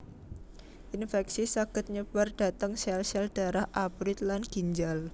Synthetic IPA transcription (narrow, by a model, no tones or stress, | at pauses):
ʔinfɛksisaɡ̥ət̪̚ɲəb̥ard̥a̤t̪əŋsɛlsɛld̥aɾahʔapɾɪt̪̚lanɡ̥iɲd͡ʒal